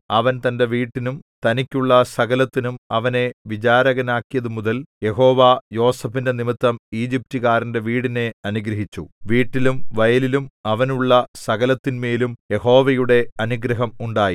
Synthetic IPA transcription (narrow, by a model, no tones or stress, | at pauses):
ɐʋɐnt̪ɐnde̞ʋiːʈːinumt̪ɐnikʲːuɭːɐsɐɣɐlɐt̪ːinumɐʋɐne̞ʋit͡ɕaːɾɐɣɐnaːkːijɐðumuðɐlje̞ɦo̞ːʋaːjo̞ːsɐfinde̞nimit̪ːɐmiːd͡ʑip̚tuɣaːɾinde̞ʋiːɽine̞ɐnuɡɾɐɦit͡ɕːuʋiːʈːilumʋɐjɐlilumɐʋɐnuɭːɐsɐɣɐlɐt̪ːinmeːlumje̞ho̞ːʋɐjuɽe̞ɐnuɡɾɐɦɐmuɳɖaːji